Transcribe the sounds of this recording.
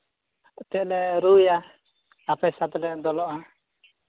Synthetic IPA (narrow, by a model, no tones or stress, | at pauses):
t̪ɛlɛɾuja | apɛsat̪ɛlɛd̪ɔlɔʔa